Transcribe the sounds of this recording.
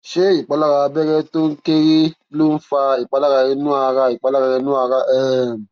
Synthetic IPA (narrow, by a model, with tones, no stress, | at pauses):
ʃe˦i˨k͡pa˨˦la˦ɾa˧bɛ˦ɾɛ˦to˦ŋ̩˦ke˦ɾi˦ | lo˦n̩˦fa˧i˨k͡pa˨˦la˦ɾa˧ɾɛ˧nũ˦a˧ɾa˧i˨k͡pa˨˦la˦ɣa˧ɾɛ˧nũ˦a˧˦ɾa˦ʔɛ˨m˨